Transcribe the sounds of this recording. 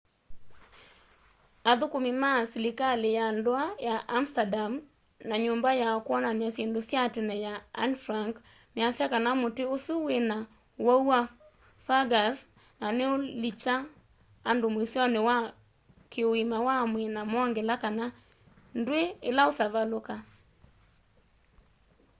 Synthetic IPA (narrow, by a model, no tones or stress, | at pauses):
aðokomimasilikalejandoajaʔːm̩stadam | naɲombajakwɔnanjasjɛndosjatenɛjaa̰nfɾaŋk | mjasjakanamoteosuwena | waua | faɡas | naneolit͡ʃaː | ndomwesjɔnewa | keoimawamwenamɔŋɡɛlakana | ndweelaosaβaloka